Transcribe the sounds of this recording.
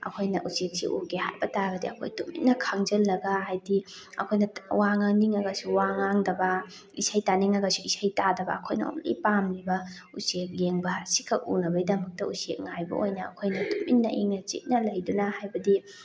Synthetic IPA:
ɐ̰kʰojnɐʔusek̚sḭʔuɡeha̰jbɐtaɡɐdiɐkʰo̰jtumḭnːɐkʰaŋd͡ʒɐlːɐɡɐhajdiɐ̰kʰojnɐwaŋɐniŋɐɡɐsuwaŋaŋdɐbɐ | isajtaniŋɐɡɐsuisajtadɐbɐ̰ɐkʰojnɐ̰o̰ŋlḭjpamlibɐ | usek̚jeŋbɐsikʰɐk̚ṵnɐbɐjdɐmɐk̚tɐṵsek̚ŋajbɐ̰ojnɐːkʰojnɐtuminːɐ̰ʔiŋnɐt͡ʃḭt̚nɐlɐjdunɐhajbɐdi

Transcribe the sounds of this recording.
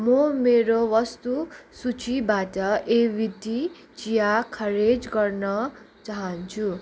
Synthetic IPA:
mʌmeɾowʌst̪usut͡sibaʈʌʔebit̪i | t͡sijakʰʌɾed͡zɡʌrnʌ | t͡saɦʌnt͡sʰu

